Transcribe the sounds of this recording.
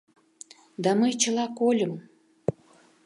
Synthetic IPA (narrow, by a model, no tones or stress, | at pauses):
d̪ɑməjt͡ɕəlɑkolʲəm